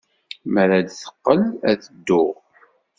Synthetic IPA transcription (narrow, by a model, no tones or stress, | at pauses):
məɾad̪θə̥qːəlæðəd̪ːʊʁ